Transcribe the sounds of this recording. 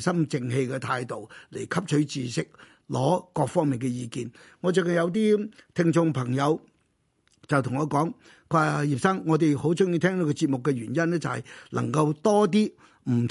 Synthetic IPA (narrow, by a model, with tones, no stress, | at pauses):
sɐ˥mt͡sɪ˧ŋhe˧jkɛː˧t̪ʰaː˧jt̪o˨wle˨˩jkʰɐ˥p̚t͡ʃʰɵ˨˥ɥt͡siː˨sɪ˥k̚ | lɔː˨˥kɔː˧k̚fɔː˥ŋmi˨˩ŋkɛ˧jiː˧kiː˨n | ŋɔː˨˧t͡ʃœː˨˩kɐ˨njɐ˨˧wt̪̬iː˥t̪ʰɪ˧ŋt͡ʃʊ˧ŋpʰɐ˨˩ŋjɐ˨˧w | t͡sɐ˨wt̪ʰʊ˨˩ŋɔː˨˧kɔː˨˥ŋ | kʰaː˧jiː˨p̚sɐ˥ŋŋɔː˨˧t̪e˨jho˨˥wt͡sʊ˥ŋji˧t̪ʰɛː˥ŋt̪o˨˥kɔ˧t͡si˧t̚mʊ˨kːɛ˧ɥyː˨˩njɐ˥nːɛː˥t͡sɐ˨whɐ̰˨jlʔɐ̰˨˩ŋkɐ˧wt̪ɔː˥t̪̬iː˥ | m̩˨˩